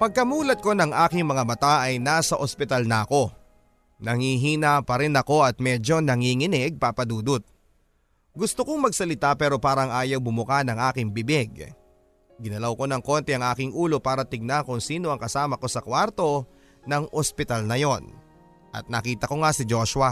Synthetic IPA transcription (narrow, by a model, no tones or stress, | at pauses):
pɐɡ̚kɐmuːlɐt̪̚ko̞nɐŋʔaːkɪŋmɐŋabɐt̪aʔɐjnaːsɐʔospɪt̪alnɐɐko̞ | nɐŋiɦiːnɐpɐɾɪnɐko̞ʔɐt̪̚mɛd͡ʒo̞nɐŋiːŋɪnɛɡ̚papɐd̪uːd̪ʊt̪̚ | ɡʊst̪okoŋmɐɡsɐlɪt̪apɛːɾo̞paːɾɐŋʔaːjɐwbʊmʊkanɐŋʔaːkɪŋbɪbɪɡ | ɡɪnɐlɐwko̞nɐŋko̞nt̪ɛɐŋʔaːkɪŋʔuːlo̞paːɾɐt̪ɪɡ̚naŋkʊŋsiːno̞ʔɐŋkɐsaːmɐko̞sɐkwaɾt̪o̞ | nɐŋʔospɪt̪alnɐjo̞n | ʔɐ̰t̪̚nɐkiːt̪ɐko̞ŋasɪd͡ʒo̞ʃwɐ